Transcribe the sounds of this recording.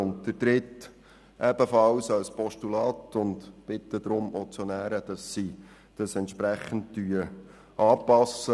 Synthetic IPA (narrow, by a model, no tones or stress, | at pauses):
ʊn̚əɾdɾɪt | ʔɛb̥əfɑwsɑlspɔʃtulɑːtʊndb̥ɪtːəd̪ɾʊmot͡sjonæːɾəd̥ɑsːi | d̥ɑsɛnt̪ʃpɾæχən̩t̚tyə | ʔɑːpɑsːə